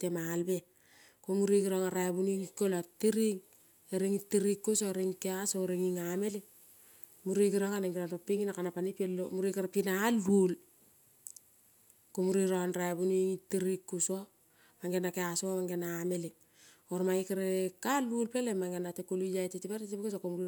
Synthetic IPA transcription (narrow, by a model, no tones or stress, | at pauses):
temalbe | komuɾiɡiɾoŋaɾabuniŋkolatiɾiŋ | eɾiŋitːiɾikːusoɾiŋkeasoɾiŋiŋameli | muɾiɡiɾoŋaneŋɡiɾaɾopiŋinakanapanipelːomuɾikaɾpinalːul | komuɾiɾonɾabuniŋitːiɾikːuso | maŋɡenakeasoomaŋɡenaːmeli | oɾmaikaɾekalulpelemaŋɡenatekulijajtetipaɾetipkes̬okomuɾi